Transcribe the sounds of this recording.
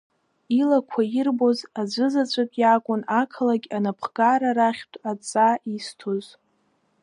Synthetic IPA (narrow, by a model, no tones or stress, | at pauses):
ilakʷʰaɪrbozad͡ʒʷɨzat͡ɕʷʰʼakʼjakʷʼʊnakʰalaɡʲanapʰɡaɾaɾaχʲtʷʰʼat͡sʼaistʰoz